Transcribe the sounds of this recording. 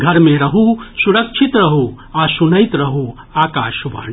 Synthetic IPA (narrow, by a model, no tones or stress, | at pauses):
ɡʱɐɾmẽɾɐɦusuɾɐkʃʰit̪ɾɐɦu | asunəjt̪ɾɐɦu | aːkaːʃʋɐ̰ɳ